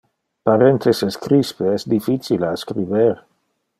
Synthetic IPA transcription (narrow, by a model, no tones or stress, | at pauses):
paɾent̪ʰeseskɾispeɛsd̪ifit͡silaskɾiveɾ